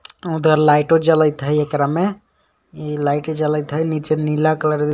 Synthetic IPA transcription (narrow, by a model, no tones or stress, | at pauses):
ud̪ʱəɾlajʈod͡ʒələjt̪ɦəjekɾame | ilajʈd͡ʒələjt̪ɦəjnit͡ʃenilakləɾ